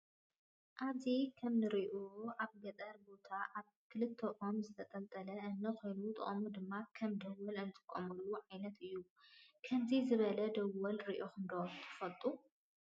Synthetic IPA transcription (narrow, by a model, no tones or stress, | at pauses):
ʔazikʰɐmnɨɾiʔuaβɡɐt̪ʼɐɾbo̞t̪ʰaʔaβ | kʰɨlɨt̪ʰːɐʔomzɨt̪ʰɐt̪ʼɐlt̪ʼɐlɐɨnːɐkʰojnut̪ʼɨ̰χʼmud̪ɨmːakʰɐmd̪ɐwɐlɨnt̪ʼɨ̥kʼːomɐlːuʕajnɐt̪ʰɨjːu | kʰɐmzizɨβɐlɐd̪ɐwɐlɾiʔoxɨnd̪ot̪ʰɨ̥fɐlt̪ʼu